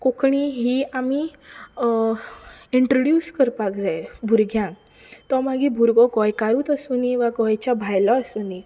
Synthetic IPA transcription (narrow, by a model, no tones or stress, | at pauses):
kokɳiɦiami | iɳʈɾoɽjuːskəɾpakd͡zajbʱuɾɡʱjãŋ | t̪ɔmaɡibʱuɾɡɔɡɔjkaɾuːt̪əsuniʋaɡɔjt͡ɕabʱajlɔːsuni